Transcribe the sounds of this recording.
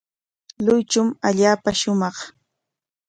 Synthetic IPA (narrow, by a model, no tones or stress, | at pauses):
lʊjt͡ʃʊmaʎaːpaʃʊmɑχ